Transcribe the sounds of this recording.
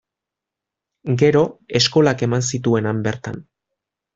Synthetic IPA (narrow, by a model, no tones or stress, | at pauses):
ɡe̞ɾo̞e̞sko̞lake̞mans̬it̪ue̞nambe̞ɾt̪a̰n